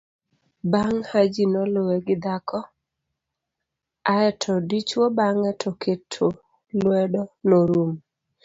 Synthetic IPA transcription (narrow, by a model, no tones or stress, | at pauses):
baŋhad͡ʒinɔlowɛɡɪd̪akʰɔ | aɛtʰɔdit͡ʃwobaŋɛtʰɔkʰetʰo | lwɛdɔnoɾum